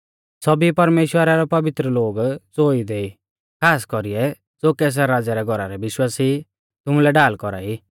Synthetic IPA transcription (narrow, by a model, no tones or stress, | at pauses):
sɔbipɐɾmeːʃwəɾaɾɛpɐʋɪt̪ɾəloːɡt͡soːid̪eːi | kʰaːskɔɾiɛ | d͡zoːkɛːs̬aɾaːd͡zaɾɛɡʱɔɾaɾɛbɪʃwaːsi | t̪ʊmulɛɖaːlkɔɾa̰ːi